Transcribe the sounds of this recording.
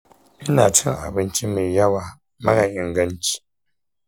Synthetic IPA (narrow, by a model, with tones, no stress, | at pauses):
i˦na˨tə˦ŋ˨a̰˨bɨ˦n̩˦t͡ʃi˦mɨ˨ja˦wa˦ | ma˦ɣa˨ɲi˨ŋ̩˨ɡə˦n̩˦t͡ʃi̥˦